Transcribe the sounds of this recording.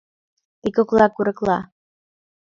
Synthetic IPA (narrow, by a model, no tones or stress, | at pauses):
t̪ikoklɑkuɾəklɑ̰